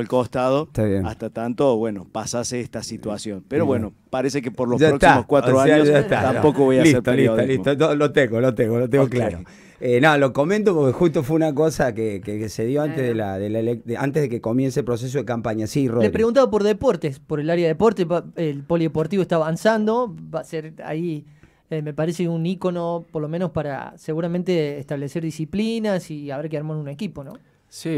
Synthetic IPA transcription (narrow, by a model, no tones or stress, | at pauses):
elkost̪aðot̪aβjḛna̰st̪at̪ant̪oβwenopasaseest̪asit̪wasjonpeɾoβweno | paɾesekepoɾlosʒaɾokt̪saimoskwat̪ɾɾoaɲoʒaet̪at̪apokoβojasliset̪olisolist̪oolot̪eɣolot̪eɣolot̪̬eŋɡoklaɾo̰ | enolo̞ko̞mẽnt̪̬opoɾkexust̪ofweunakosakekeseðjo̞ant̪eðela̰ðelelekea̰nt̪eðekeko̞mjenselpɾo̞s̬es̬oðekampaɲasirolepɾeɣunt̪aβap̬oɾðepoɾt̪espoɾelaɾjaðeepo̞ɾt̪eaelpoliðepo̞ɾt̪iβoet̪aːβansand̪o̞baseɾa̰i | eme̞paɾeseuniko̞nopoɾlo̞mẽnospaɾa̰seɣuɾamẽnt̪eːht̪aβleseɾðisiplinasiaβeɾkeaɾmonunekipo̞nõ̰ | si